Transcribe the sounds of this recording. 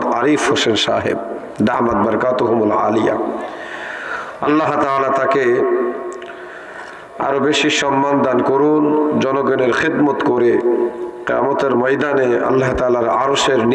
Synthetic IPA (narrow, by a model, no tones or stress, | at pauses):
t̪aɾifhosenʃa̰ːɦḛb̚ | d̪aɦmat̪̚bɐɾkaːt̪oɦʊmala̰ːlija̰ | ɐlːaɦt̪alat̪ake | a̰ɾobeʃiʃɔmːand̪ankoɾund͡ʒɔnɔɡɔneɾxid̪mot̪koɾeqija̰mot̪eɾmɐjd̪aneɐ̰lːaɦt̪aːlaɾa̰ɾoʃeɾn